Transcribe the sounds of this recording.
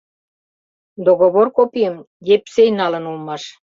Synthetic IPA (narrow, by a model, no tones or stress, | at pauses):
d̪oɣoβorkopijəm | jepsejnɑlə̆nulmɑʃ